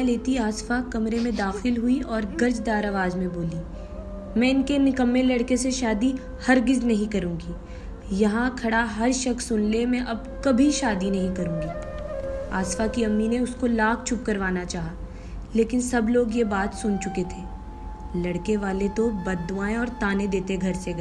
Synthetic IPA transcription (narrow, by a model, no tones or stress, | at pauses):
leːt̪iaːsfakɐmɾemẽd̪aːxɪlɦʊiʔɔːɾɡɐɾd͡ʒd̪aːɾɐʋaːzmẽboːliː | mɛ̃ːɪnkenɪkɐmːelɐɽkeseʃaːd̪i | hɐɾɡɪznɐɦĩkɐɾũːŋɡiː | jɐɦãkʰɐɽaɦɐɾʃɐksːʊnlemɛ̃ʔɐb̚ | kɐbʱiʃaːd̪inɐɦĩkɐɾũːɡiː | a̰ːsfakiɐmːineʊskolaːkʰt͡ʃʰʊp̚kɐɾʋaːnat͡ʃaːɦaː | leːkɪnsɐbloːɡjebaːt̪sʊnt͡ʃʊket̪ʰeː | lɐɽkeʋaːlet̪obɐd̪ːʊaːẽɔːɾt̪aːnẽd̪eːt̪eɡʱɐɾseɡɐ